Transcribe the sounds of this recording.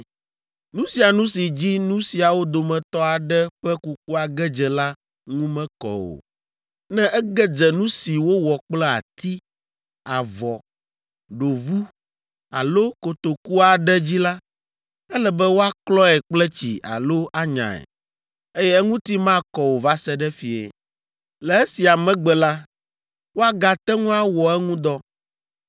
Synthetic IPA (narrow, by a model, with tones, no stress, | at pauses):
nũ˦si˨a˨nũ˦si˨d͡ʑi˦nũ˦si˨a˨wo˦d̪o˨mɛ̃˨t̪ɔ˦a˨ɖɛ˦ɸɛ˦ku˦k̚u˦a˨ɡɛ˦d͡ʒɛ˨la˦ | ŋũ˦mɛ̃˦kɔ̰˨wo̰˨ | nɛ̃˦ʔɛ˦ɡɛ˦d͡ʒɛ˨nũ˦si˨wo˦wɔ˨k͡plɛ˦a̰˨t̪i˦ | a˨vɔ˨ | ɖo˨vu˦ | a̰˨lo˦ko˨t̪o˨ku˦a˨ɖɛ˦d͡ʑi˦la˦ | ɛ˦lɛ˨bɛ˦wo˦a˦klɔ˦ɛ˨k͡plɛ˦t͡ɕḭ˨ʔa̰˨lo˦ʔa˦ɲã̰˨ɛ̰˨ | e˦jɛ˦ɛ˦ŋũ˦t̪i˦mã˦˨kɔ˨wo˨va˦sɛ˦ɖɛ˦fi˨ɛ̰˨ | lɛ˨e˦si˨a˨mɛ̃˦ɡ͡bɛ˨la˦ | wo˦a˦ɡa˨t̪ɛ˦ŋũ˦a˦wɔ˨ɛ˦ŋũ˦d̪ɔ˦